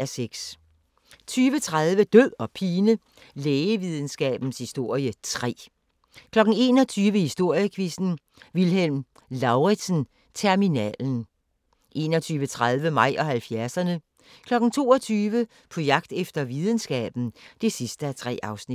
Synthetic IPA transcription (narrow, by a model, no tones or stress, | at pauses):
æɐseɡ̥s | t͡sʰyːʋət͡sʰʁaðˠʋəd̥øð̰ɒ̽pʰiːnə | leːəʋið̞ˠn̩sɡ̥ɛ̰ːb̥n̩shisd̥o̝ɐ̰jət͡sʰʁɛ̰ː | kʰlɒ̽ɡ̥n̩e̝ːnɒ̽t͡sʰyːʋəhisd̥o̝ɐ̰jəkʰʋisn̩ | ʋilɦelm | lɑ̈ʊʁi̥sn̩ | t͡sʰeɐminɛ̰ln̩ | ʔe̝̰ːnɒt͡sʰyːʋət͡sʰʁað̞ˠʋəmɑ̈ɪ̰ʔɒ̽hælfjæɐsɐnə | kʰlɒ̽ɡ̥n̩t͡sʰo̝̰ːɒt͡sʰyːʋə | pʰɒ̽jɑ̈ɡ̥̚d̥efd̥ɐʋið̞ˠn̩sɡ̥ɛ̰ːb̥n̩d̥e̝sisd̥əæt͡sʰʁɛ̰ːɑ̈ʊsnid